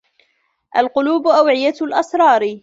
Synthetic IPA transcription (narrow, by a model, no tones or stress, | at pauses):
ʔalqʊluːbʊʔawʕɪjalʔɑsɾˤɑːɾ